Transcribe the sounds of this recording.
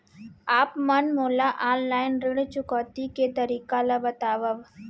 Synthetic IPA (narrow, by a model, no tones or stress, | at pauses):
aːpmənmoːlaʔaːnlaːɪnɾɪɽt͡ʃʊkɔːt̪iket̪əɾiːkalabət̪aːʋəʋ